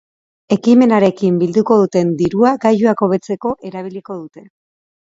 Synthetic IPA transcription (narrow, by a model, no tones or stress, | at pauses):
e̞kime̞naɾe̞kimbild̪uko̞ðut̪e̞nd̪iɾuaɡajuako̞β̞e̞t͡se̞ko̞ʔe̞ɾaβ̞iliko̞ðut̪e̞